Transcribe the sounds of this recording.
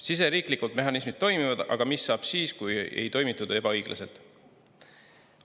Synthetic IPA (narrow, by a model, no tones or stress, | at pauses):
sis̬e̞ɾiːklikːˑult̪̚me̞ɦɑnismid̪̥̚t̪ːo̞jmivɑd̪̥ɑ̰ɡ̥ɑmisːɑːb̥siːskujḛjt̪o̞jmit̪ːˑud̪̥e̞bɑɤjɡ̥lʔɑ̰se̞lt̪ˑ